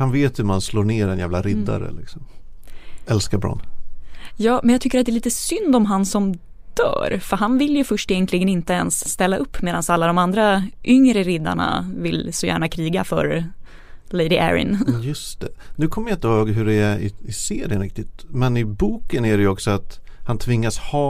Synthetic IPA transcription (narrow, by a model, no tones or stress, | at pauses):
hanveːt̪ʰjɵmansloːɳeːɾɛnjæːvlaɾɪd̪ːa̰ɾə̰lɪksɔm | ɛlskabɾɔ̰n | jɑːmɛnjaɡt̪ʏkːəɾat̪d̪ɛːliːt̪əsʏnd̪ɔmɦansɔm | d̪̥œ̰ːɾfœɾɦanvɪljɵfœʂʈeːənk̪ʰlɪɡənɪnt̪əɛnsːt̪ɛlːaʔɵpːmeːd̪ansalːad̪ɔmand̪ɾaʔʏŋɾəɾɪd̪ːa̰ɳa̰vɪlsɔjæ̰ːɳakʰɾiːɡafœ̰ɾ | lejd̪ɪʔæ̰ɾɪ̰njɵst̪ɛnʉ̟ːkʰɔməɾjaɪnt̪əhoːɡɦɵɖɛæɾɪɪseːɾjənɾɪk̚t̪ɪt̪mɛnɪbuːkənæɖɛjɔksɔat̪hant̪ʰvɪŋːashɑː